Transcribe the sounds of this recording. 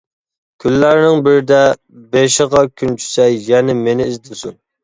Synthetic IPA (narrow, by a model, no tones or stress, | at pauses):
kʲʰylːæɾnɪŋbɪɾɪd̪ɛ | beʃəʁɑkʲʰynt͡ʃʰy̥sɛjjɛnɪmenɪːzd̪ɪsun